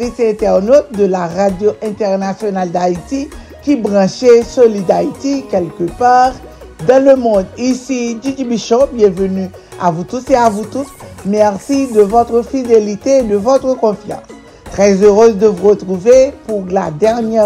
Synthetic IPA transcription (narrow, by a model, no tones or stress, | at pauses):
isɛ̃t̪ɛʁnot̪̚d̪əlaʁad̪joʔɛ̃t̪ɛʁnasjonald̪ait̪i | kʲibʁɑ̃ʃesolid̪ait̪ikʲɛlkəpaːʁ | d̪ɑ̃ləmɔ̃d̪isid̪yk̪ibiʃɔ̃bjɛ̃vəny | a̰vut̪useavut̪usmɛʁsid̪əvɔt̪ʁəfid̪elit̪eːd̪əvɔt̪ʁəkɔ̃fjɑ̰̃s | t̪ʁɛzøʁøzd̪əvuʁət̪ʁuvepuʁla̰d̪ɛʁnjɛ